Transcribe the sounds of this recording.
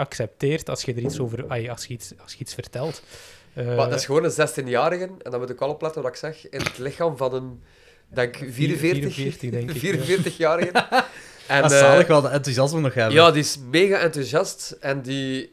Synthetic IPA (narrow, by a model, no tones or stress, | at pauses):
ɑksɛp̚teːrtɑsxədəɾitsoːvərɑlɑsxəitsɑsxəitsfərtɛlˠtː | madɪsxəʋoːnəzɛstinjaːɾəɣənɛndɑnmutəɪkɑlˠɔplætənʋɑtɪksɛxɪnətlɪxaːmvɑnən | dɛŋkviːɾə̃vɪːrəxːrtədɛŋkviːɾənvɪːrtəxjaːɾəɣən | ɛnnləkʋɛlˠdəɛntuzjɑsmənɔxɛbjaːdiɪsmeːɣaʔɛntuzjɑstɛndi